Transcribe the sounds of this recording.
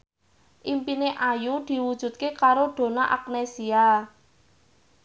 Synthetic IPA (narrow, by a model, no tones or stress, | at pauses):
ʔimpineʔajud̪̥i̤wud̥ʒ̥ṳt̪̚kekaɾoɖ̪̥o̤naʔak̚nesia